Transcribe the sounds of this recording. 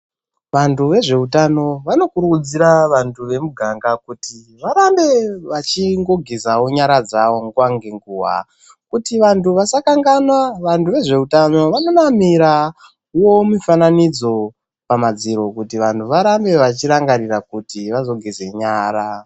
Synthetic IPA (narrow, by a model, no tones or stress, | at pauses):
ʋantʰuʋe̞ʐe̞utano̞ʋano̞kuɾukud͡ziɾaʋantʰuʋe̞muɡʱaŋɡakuti | ʋaɾambe̞ʋat͡ʃiŋɡo̞ɡʱizawoɲaɾad͡zawo̞ŋɡuwaŋɡeŋɡuːɦa̰ | kutiʋantʰuʋasakaŋɡanwaʋantʰuʋe̞ʐe̞utano̞ʋano̞namiɾa | wo̞mufananid͡zo̞ | pamad͡ziɾo̞kutiʋantʰuʋaɾambe̞ʋat͡ʃiɾaŋɡarirakutiʋazo̞ɡʱize̞ɲaːɾa